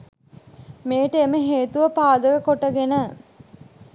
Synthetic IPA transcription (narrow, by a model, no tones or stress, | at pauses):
meːʈəeməɦeːt̪uʋəpaːd̪əkəkoʈəɡenə